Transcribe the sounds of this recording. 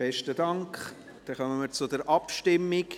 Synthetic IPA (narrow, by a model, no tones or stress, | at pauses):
b̥ɛʃtədɑŋkχ | d̥ɛχœməməɾt͡sʊdəɾʔɑpʃtɪmːɪk